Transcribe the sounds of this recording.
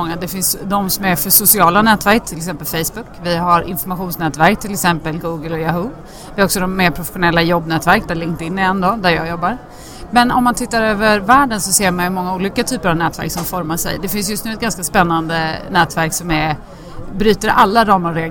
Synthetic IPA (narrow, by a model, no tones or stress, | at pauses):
ɔŋːad̪ɛfɪnsd̪ɔmsɔmæɾfœʂʊsɪɑːlanɛːt̪væɾk̚t̪ʰɪlɛksɛmpəlfɛjsbʊkvɪɦaɾɪ̰nfɔɾmaɧuːnsnɛːt̪væɾk̚t̪ʰɪlɛksɛmpəlɡuːɡəlɔjaɦu | vɪhaɾɔksɔd̪ɔmːeːɾpʰɾʊfɛ̥ɧʊnɛlːajɔbːnɛːt̪væɾkd̪ælɪnt̪ɪnːɪɛnd̪ɔd̪æɾjɑ̰ːɡjɔbːaɾ | mɛnɔ̰mːant̪ʰɪt̪ːaɾøːvəɾvæːɖənsɔseːɾmanjɵmɔŋːauːliːkat̪ʰyːpəɾavnɛːt̪væ̰ɾksɔmfɔɾmaʂɛ̰jd̪ɛfɪns̬jɵst̪nʉːɛt̪ɡanskaspɛnːand̪ənɛːt̪væɾksɔmæɾ | bɾyːt̪əɾʔalːaɾɑːməɾɾɛ